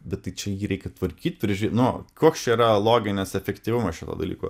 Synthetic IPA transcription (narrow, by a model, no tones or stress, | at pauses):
bʲɛt̪̚tɐɪt͡ʃʲɛjiːɾʲɛɪkʲɛt̪ʋɐɾʲkʲiːt̪̚ʲpʲɾʲɪʒʲʊɾʲiet̪nʊkuɔkst͡ʃʲɛiɾɐlˠoːɡʲɪnʲɛsɛfʲɛkt̪ʲiːʋʲʊmɐsʃʲɪt̪o̰ːd̪ɐ̰lʲḭːko̰